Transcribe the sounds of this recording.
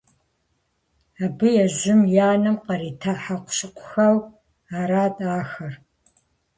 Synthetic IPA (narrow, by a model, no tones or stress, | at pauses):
abɨjɛʒɪmjaːnɨmqɐɾiːtʰaħaqʷɕɪqʷʰʊxɐw | aːɾaːtʼaːxɐr